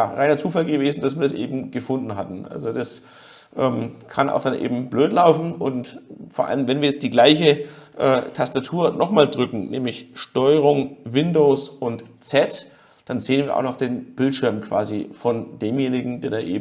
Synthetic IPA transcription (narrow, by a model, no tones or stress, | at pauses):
jaːʁaɪnɐt͡suːfalɡəveːzn̩d̥asv̥iːɐdasʔḛːbm̩ɡəfʊndn̩ɦatn̩ʔa̰lzodas | ʔɛːmkʰana̰ʊxd̥anʔḛːbm̩bløːtlaʊfn̩ʔʊntfoːɐʔa̰ləmvɛnviːɐjɛt͡std̥iːɡlaɪçəʔɛːtʰastatʰuːɐnɔχmaːldʁʏkŋ̩nɛːmlɪçʃtɔʏʁ̞ʊŋvɪndoʊsʊntt͡sɛt | d̥anzeːənviːɐʔa̰ʊxnɔχd̥eːnb̥ɪltʃɪɐmkv̥a̰ːzifɔndeːmjeːnɪɡŋ̩deːɐdaːʔḛːb